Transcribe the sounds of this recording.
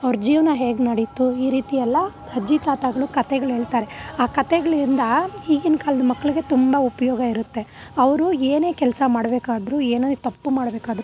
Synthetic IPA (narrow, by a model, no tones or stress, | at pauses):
ɐʋɐɾd͡ʒiːʋnɐɦe̞ːɡnɐɽit̪ːuiːɾiːt̪iɛlːɐ | hɐd͡ʒit̪aːt̪aɡɐɭukɐt̪ɛɡɐɭɦe̞ːɭt̪aːɾeaːkɐt̪ɛɡɐɭiɾind̪ɐhiːɡinkaːlɐd̪ɐmɐkːɐɭiɡe̞t̪umbɐupɐjɔːɡɐiɾut̪ːe̞ɐʋɐɾueːne̞ːkɛlsɐmaːɽbeːkaːd̪ɾueːnɐd̪t̪ɐpːumaːɽbeːkaːd̪ɐɾu